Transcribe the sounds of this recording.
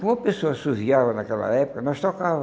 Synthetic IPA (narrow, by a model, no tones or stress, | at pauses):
kmuɐpɨsoɐsuziavɐnɐkɛlˠɐ̰ɛpu̥kɐnɐ̃w̃ʃt̪ɔkavɐ